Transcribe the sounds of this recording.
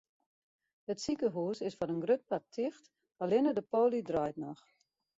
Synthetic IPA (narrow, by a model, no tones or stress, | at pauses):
ətsikəɦuːsɪsfɔnənɡrøt̚patʰːɪxt | alɪnədəpoːlidrɔjtnɔx